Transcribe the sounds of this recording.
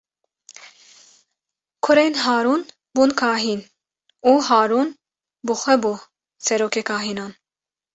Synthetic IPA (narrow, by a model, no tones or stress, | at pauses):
kʰɔɾɛjnɦaːɾun | bunkʰaɦin | uɦaːɾun | buχɛbu | sɛɾɔkʰɛkʰaɦinɑn